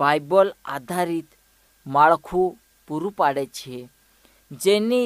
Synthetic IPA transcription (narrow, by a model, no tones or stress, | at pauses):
bajbəla̰d̪ʱaɾiːt̪ | maɭkʰu | puɾupaɽət͡ɕʰe | d͡zenːiː